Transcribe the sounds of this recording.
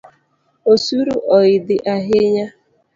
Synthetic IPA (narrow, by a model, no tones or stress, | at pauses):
osuɾuʔɔɪdɪʔaɦɪɲa